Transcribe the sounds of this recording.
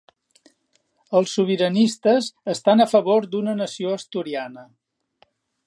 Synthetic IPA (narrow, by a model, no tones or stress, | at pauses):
əlˠsːuβ̞iɾənist̪əzəst̪anəfəβoɾd̪unənəsioəst̪uɾianə